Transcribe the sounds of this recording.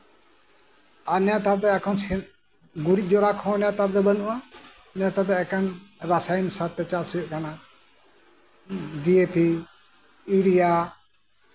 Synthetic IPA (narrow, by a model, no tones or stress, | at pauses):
anjat̪aɾd̪ɛakʰɔ̃nsɛn | ɡuɽic̚ˀd͡ʒɔɾakʰɔ̃njat̪aɾd̪ɛbənuʔa | njat̪aɾd̪ɛɛkanɾasajnsaɾt̪ːɛt͡ʃasujət̪̚kana | diepi | iɽija